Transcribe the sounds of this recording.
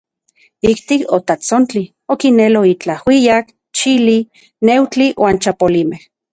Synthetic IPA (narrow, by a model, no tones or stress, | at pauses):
ikt̪ikot̪at͡sont͡ɬi | okineloit͡ɬahwijak | t͡ʃili | newt͡ɬiwʔaːnt͡ʃapolimeh